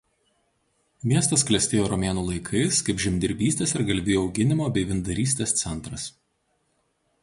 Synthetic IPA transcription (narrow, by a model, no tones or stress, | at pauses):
mʲiɛst̪ɐsklʲɛsʲt̪ʲeːjoːɾɔmʲeːnuːlˠɐɪkʰɐɪskɐɪpʒʲɪmʲd̪ʲɪɾʲbʲiːsʲt̪ʲeːsɪɾɡɐlʲbʲeːjoʊɡʲɪnʲɪmoːbʲɛɪʋʲɪnd̪ɐɾʲiːsʲt̪ʲeːst̪sʲɛnˑt̪ɾɐs